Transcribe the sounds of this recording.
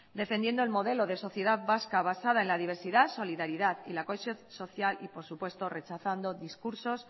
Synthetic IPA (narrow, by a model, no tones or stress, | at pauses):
d̪e̞fe̞nd̪je̞nd̪oe̞lmo̞ð̞e̞lo̞ðe̞so̞θje̞ðaðβaskaβ̞asaðae̞nlaðiβ̞e̞ɾsiðaso̞liðaɾiðaðilako̞esjõ̞nso̞θjalipo̞ɾsupwe̞st̪o̞re̞t͡ʃaθand̪o̞ðiskuɾso̞s